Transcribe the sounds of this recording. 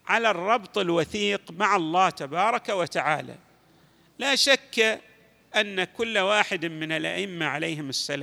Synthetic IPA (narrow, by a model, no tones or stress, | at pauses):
ʕalarˤːɑbt̪ˤɪlwaθiːqmaʕɑlˤːɑːt̪abɑːɾˤɑkawat̪aʕaːla̰ | laːʃakːa | ʔanːakʊlːwaːħɪd̪mɪnɪlʔa̰ʔɪmːaʕalejɦɪmɪsːalaː